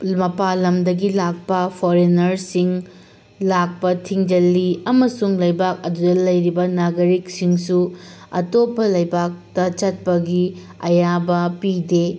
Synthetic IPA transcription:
mɐpalɐmdɐɡilak̚pɐpʰoɾenɐɾsiŋ | lak̚pɐtʰiŋd͡ʒɐlːiɐmɐsuŋlɐjbak̚ɐdudɐlɐjɾibɐnaɡɐɾik̚siŋsuɐtopʰːɐlɐjbak̚tɐt͡ʃɐt̚pɐɡi | ɐ̰jabɐpide

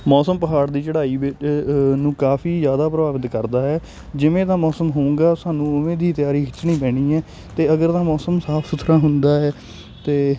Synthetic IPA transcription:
mɔːsəmpəɦaːɽd̪iːt͡ʃəɽaːiːʋɪnũːkaːfʰiːzjaːd̪aːpɾəʋaːʋət̪kəɾd̪aːɦɛː | d͡ʒɪʋẽːt̪ãːmɔːsəmɦoːũːŋɡaːsaːnũːʊmẽːd̪iːt̪ɪjaːɾiːɪt͡ʃːɳĩːpɛːɽ̃iːɛː | t̪eːəɡəɾt̪ãːmɔːsəmsaːpʰsʊt̪ʰɾãːɦʊnd̪aːɦɛː | t̪eː

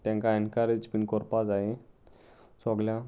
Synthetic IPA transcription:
t̪ɛ̃ŋkaɛnkaɾed͡ʑpinkɔɾpad͡zae | sɔɡljã

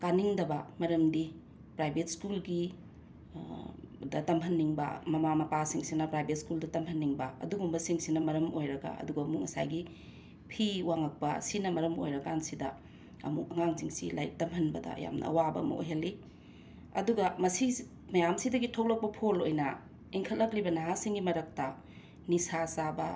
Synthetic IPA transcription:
kaniŋdɐbɐmɐɾɐmdi | pɾajbet̚skulɡi | dɐtɐmɦɐnːiŋbɐ̰mɐmamɐpasiŋsinɐpɾajbet̚skuldɐtɐmhɐnːiŋbɐɐ̰duɡumbɐsiŋsinɐmɐɾɐmojɾɐɡɐ̰ɐ̰duɡɐːmuk̚ŋɐsa̰jɡi | pʰiwaŋɐk̚pɐ̰sinɐmɐɾɐmo̰jɾɐɡansidɐ | ɐ̰muk̚ɐŋaŋziŋsila̰jk̚tɐmhɐnbɐdɐ̰ɐ̰ja̰mnɐ̰ɐ̰wabɐ̰ɐ̰mɐ̰ʔo̰jɦɐlːi | ɐ̰duɡɐmɐsi | mɐjamsidɐɡitʰok̚lɐk̚pɐpʰolojnɐ | iŋkʰɐt̚lɐklibɐnaɦasiŋɡimɐɾɐk̚tɐ | nisasabɐ

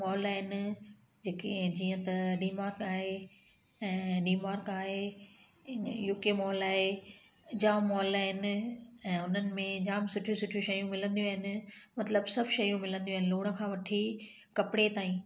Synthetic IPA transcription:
mɔːlaːɦɪnɪ̆ | d͡ʑeːked͡ʑiːə̃t̪ɐɖiːmaːɾkaːɦe | ɛ̃ːɖiːmaːɾkaːɦe | juːkemɔːlaːɦe | d͡ʑaːmɔːlaːɦɪnɪ̆ɛ̃ːʊn̤ənɪ̆mẽd͡ʑaːmɪsʊʈʰiusʊʈʰiuʃɐjũmɪlə̃nd̪iũaːɦɪnɪ̆mɐt̪ləbsɐbʱʃɐjũmɪlə̃nd̪ij̃uaːɦɪnɪluːɽ̃ə̆kʰãːʋɐʈʰi | kɐpɪɽet̪aːĩː

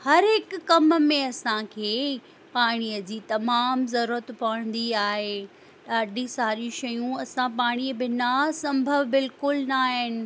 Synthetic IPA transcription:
hɐɾɦɪkːɐmmẽɐsãkʰeː | paːɽ̃ijəd͡ʑiːt̪ɐmaːmzɐɾuːɾət̪pɐɽ̃n̆d̪iaːɦe | ɗaːɖʱĩsaːɾũʃɐjũɐsãpaːɽ̃iəbɪnɐsɐ̃mbʱəʋbɪlkʊlnaːɦɪnɪ̆

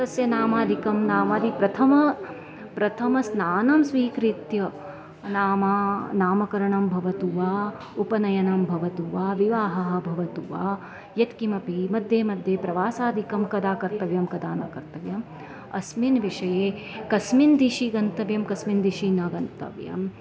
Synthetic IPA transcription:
t̪ɐsjɐnaːmaːd̪ʱikɐmnaːmɐːd̪ipɾɐt̪ʰɐmɐ | pɾɐt̪ʰɐmɐsnaːnɐmsʋiːkɾit̪jɐ | naːmaːnaːmɐkɐɾɐɳɐmbʱɐʋɐt̪uʋaː | upɐnɐjɐnɐmbʱɐʋɐt̪uʋaːʋiʋaːɦɐɦɐ̆bʱɐʋɐt̪uʋaː | jɐt̪kimɐpimɐd̪ʱjeːmɐd̪ʱjeːpɾɐʋaːsaːd̪ʱikɐmkɐd̪aːkɐɾt̪ɐʋjɐmkɐd̪aːnɐ̰kɐɾt̪ɐʋjɐm | ɐ̰sminʋiʂɐjeːkɐsmind̪iʃiɡɐnt̪ɐʋjɐmkɐsmind̪iʃinɐɡɐnt̪ɐ̰ʋjɐ̰m

